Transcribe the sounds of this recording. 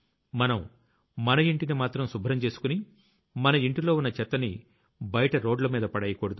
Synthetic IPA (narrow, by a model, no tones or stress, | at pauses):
mɐnɐm | mɐnɐiɳʈinimaːt̪ɾɐmsubʱɾɐmt͡ʃe̞ːsu̥kuni | mɐnɐiɳʈilo̞ːunːɐt͡ʃɛt̪ːɐni | bɐjɐʈɐɾo̞ːɖlɐmiːd̪ɐpɐɽɐjɐkoːɽɐd̪u